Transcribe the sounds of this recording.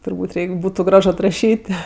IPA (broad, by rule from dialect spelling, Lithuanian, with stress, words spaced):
tʊrˈbuːtʲ ˈrʲɛɪkʲ ˈbuːtʊ ˈɡrɐʃ ɐtrɐˈʃʲiːtʲ